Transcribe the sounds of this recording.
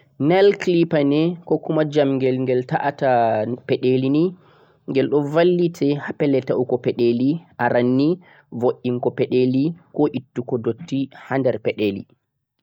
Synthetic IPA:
nɛlklipanɛkɔkumad͡ʒamŋɡɛlŋɡɛltaʔatapɛɗelini | ŋɡɛlɗɔvalːitʰɛhapɛlɛtaʔukɔpɛɗeliʔaɾanːi | voʔːiŋkɔpɛɗelikɔʔitːukɔdotːihandɛɾpɛɗelḭ

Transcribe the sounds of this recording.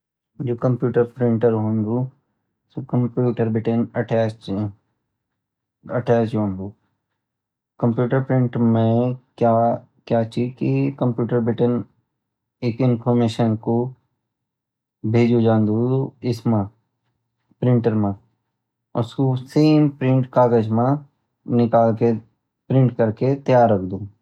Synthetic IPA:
d͡ʒoːkɐ̃mpjuːʈəɾpɾɪ̃ɳʈəɾɦõːnd̪u | sokɐ̃mpjuːʈəɾbɪʈənɐʈɛːs | ɐʈɛːst͡ʃɦõːnd̪uː | kɐ̃mpjuːʈəɾpɾɪ̃ɳʈmẽkjaː | kjaːt͡ʃiːkikə̃mpjuːʈəɾbɪʈən | eːkɪ̃npʰɔːɾmeːʃənko | bʱeːd͡ʒud͡ʒãːnd̪ũɪsmã | pɾɪ̃ɳʈəɾmã | ʊskoseːmpɾɪ̃ɳʈkaːɡəd͡ʒmã | nɪkaːlke | pɾɪ̃ɳʈkɐɾket̪əjaːɾːɐkʰd̪ũː

